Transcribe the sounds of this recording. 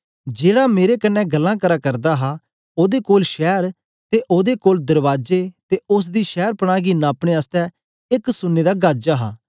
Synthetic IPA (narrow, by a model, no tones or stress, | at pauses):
d͡ʒeːɽaːmeːɾeːkənːɛ̃ːɡəlːãːkəɾaːkəɾd̪aːɦaː | oːd̪eːkoːlʃɛːɾ | t̪eːʔoːd̪eːkoːld̪əɾʋaːd͡ʒeːt̪eːʊs̬d̪iːʃɛːɾpəɽ̃aːɡinːaːpɽ̃eːaːst̪ɛ̃ː | ɪksʊnːeːd̪aːɡaːd͡ʒaːɦa̰ː